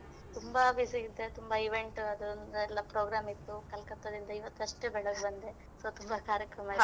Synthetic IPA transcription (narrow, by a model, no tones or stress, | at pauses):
t̪umbɐbisiid̪ːet̪umbɐiʋeɳʈɐd̪unɛlːɐpɾoːɡɾaːmit̪ːukɐlkɐt̪ːɐd̪ind̪ɐiʋɐt̪ːɐʂʈebɛɭɐɡbɐnd̪e | sot̪umbɐkaːɾjɐkɾɐmaːi